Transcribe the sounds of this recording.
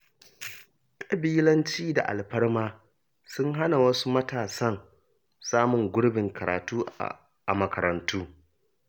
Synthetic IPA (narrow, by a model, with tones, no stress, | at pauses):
kʼɐ˨biː˦lɐ˦nt͡ʃiː˦da̰˨ʔa̰˨lɸɐ˦ɽmaː˦ | sʊ˦ŋɦa˦na˨wɐ˦su˦mɐ˦taː˨sɐ˦n | saː˦mʊ˨ŋɡʷʊ˦ɽbɪ˨ŋkʰɐ˨ɾa̰ː˨tuː˦ | a̰˨mɐ˨kɐ˨ɾɐ˨ntʰuː˦